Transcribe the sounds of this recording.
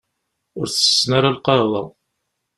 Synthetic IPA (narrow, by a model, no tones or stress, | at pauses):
ʊɾθə̥sːnaɾalqɑðˤɑ̰ð